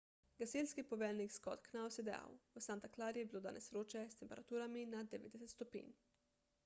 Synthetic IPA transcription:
ɡaselskipɔʋɛlnikskɔt̪knawsjɛd̪ɛa̰wusant̪aklaɾjɛbiloːd̪a̰nɛsɾoːt͡ʃɛst̪ɛmpɛɾat̪uːɾaminad̪ɛʋḛːd̪d̪ɛsɛt̪st̪ɔpḭːn

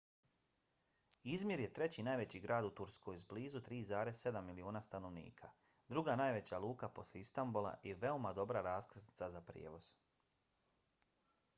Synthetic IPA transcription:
izmjiɾje̞t̪ɾe̞t͡ɕinaːjʋe̞t͡ɕiɡɾʔaːd̪ut̪uɾskojzbliːzut̪ɾiːzaːɾe̞zsse̞d̪amːilioːnast̪ano̞ʋnḭːkʰa | d̪ɾuɡanaːjʋe̞t͡ɕalˠuːkapo̞slʲeist̪ambulˠa̰ʔiʋe̞omad̪o̞bɾaɾaːskrzni̥t̪sazapɾjḛːʋo̞z̥

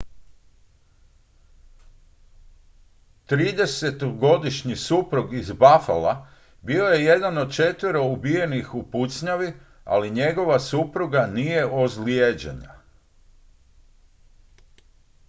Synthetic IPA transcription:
t̪ɾiːd̪e̞se̞t̪oɡo̞d̪iʃɲisupɾuɡizbafa̰la̰ | bio̞je̞je̞d̪ano̞d̪̚t͡ʃe̞t̪ʋiɾo̞ubije̞nixupusɲaʋi | a̰liɲe̞ɡo̞ʋasupɾuɡanije̞ʔozljed͡ʑḛɲa̰

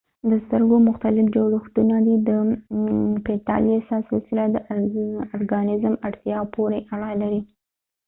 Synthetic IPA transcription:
d̪əst̪əɾɡomʊxt̪alɪfd͡ʒoɽuxt̪unad̪id̪ə | pet̪ɑ̰ljesɑsɪlsɪlad̪əʔʊɾɡɑnɪzmaɽt̪jɑpʰoɾeʔaɽɑjlaɾi

